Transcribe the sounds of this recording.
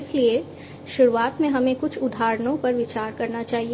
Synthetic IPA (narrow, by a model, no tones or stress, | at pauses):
ɪslie | ʃʊɾuaːt̪mẽɦɐmẽkʊt͡ʃʰʊd̪ʱaːɾnõpɐɾʋɪt͡ʃaːɾkɐɾnat͡ʃaːɦi